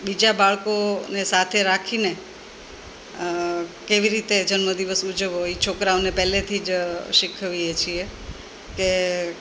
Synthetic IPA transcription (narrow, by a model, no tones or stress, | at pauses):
bid͡ʒabaɭkonesat̪ʰeɾakʰine | keʋiɾit̪ed͡ʒənməd̪iʋəsud͡ʒəʋɦoit͡ʃʰokɾaʋnepɛlet̪ʰid͡ʒʃikʰəʋiɦet͡ʃʰie | ke